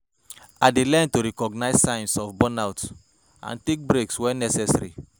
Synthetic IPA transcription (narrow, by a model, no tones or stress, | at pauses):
adelɛntoɾɛkɔɡnaɪssãnsɔfbɔnaʊt | ã̰ntek̚bɾekswɛnɛsɛsaɾḭ